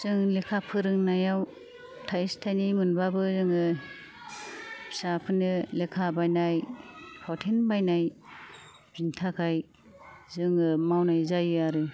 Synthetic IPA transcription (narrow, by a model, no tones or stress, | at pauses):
z̥ɯŋlekʰapʰɯɾɯŋnajaw | tʰajstʰajnimɯnbabɯzɯŋɯ | sapʰɯnɯlekʰabajnajpʰɔtʰenbajnaj | bintʰakʰaj | zɯŋɯmawnajzajɯaɾɯ